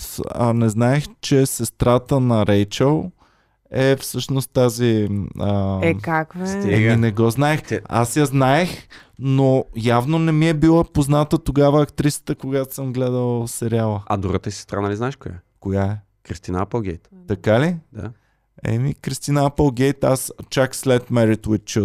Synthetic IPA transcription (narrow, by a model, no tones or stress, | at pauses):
anɛznaɛxt͡ʃɛsɛst̪ɾat̪ənɐɾɛjt͡ʃəlˠ | ɛfsɤʃnost̪t̪aziəkakvɛst̪ɛminɛɡɔznaɛxa̰sjaznaɛxnojavnonɛmiɛbilˠapoznat̪ət̪oɡavəːkt̪ɾisə̥t̪əkoɡat̪o̥sɤmɡlɛd̪əlˠsɛɾialˠəɐ̰d̪uɾət̪əisi̥st̪ɾanaliznaɛʃkʊja̰koɡaɛ | kɾist̪inəapəlˠɡʲɛjt̪t̪ɐkalid̪a̰ | ɛ̰mikɾist̪inəapəlˠɡɛjt̪a̰st͡ʃakslɛt̪mɛɾit̪wit̪t͡ʃu